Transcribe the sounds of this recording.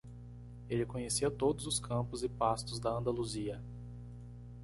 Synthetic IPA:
elɪkõɲesiɐt̪od̪ʊzʊskʰɐ̃pʊzɪpast̪ʊzd̪ɐɐ̃nd̪aluziɐ

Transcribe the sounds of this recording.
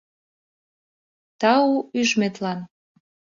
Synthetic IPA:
t̪ɑuyʒmet̪lɑn

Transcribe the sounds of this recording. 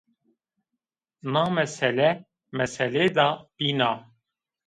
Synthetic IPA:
nɑːmɛsɛlɛ | mɛsɛleːd̪ɑːb̥iːnɑː

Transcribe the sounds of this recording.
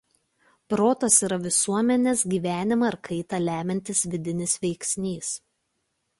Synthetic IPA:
pɾoːt̪osiːɾɐʋʲɪsuɔmʲɛnʲeːsɡʲiːʋʲæːnʲɪmɐɪɾkʰɐɪt̪ɐlʲæːmʲɛnʲt̪ʲɪsʋʲɪd̪ʲɪnʲɪsʋʲɛɪksʲnʲiːs

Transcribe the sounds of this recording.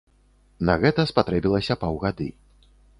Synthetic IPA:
nɐɣɛt̪ɐspat̪ɾɛbʲilˠɐsʲɐpawɣad̪ɨ̰

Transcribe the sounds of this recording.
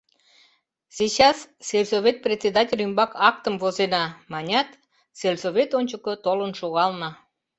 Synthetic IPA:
sit͡ɕɑsselʲsovʲet̪̚prʲet̪ʲt͡sʲed̪ɑtʲelʲymbɑkɑk̚t̪əmvozenɑmɑnʲɑt̪ | selʲsoβʲet̪onʲt͡ɕəkot̪olənʃoɣɑlnɑ

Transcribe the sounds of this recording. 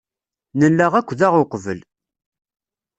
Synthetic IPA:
nəlːəʁækʷːðæʁʊqvə̰l

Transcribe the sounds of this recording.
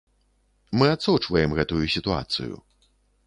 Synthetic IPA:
mɨat̪sɔt͡ʂvɐjɛmɣɛt̪ujusʲit̪ua̰t̪sɨ̰jṵ

